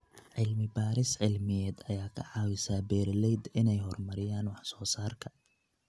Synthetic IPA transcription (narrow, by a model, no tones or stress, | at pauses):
ʕɪlmɪbaːɾɪsʕɪlmɪjɛːd̪ɐjaːkʰɐʕɑːwɪsaːbɛːrlɛjd̪ɪnɛjɦɔrmɐɾɪjaːnwɑħsɔːsaːrkʰɐ